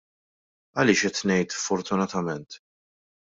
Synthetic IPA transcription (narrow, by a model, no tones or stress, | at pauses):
ɐlɪːʃɛt̪nɛjt̪sfɔɾt̪ʊnɐt̪ɐmɛnt̪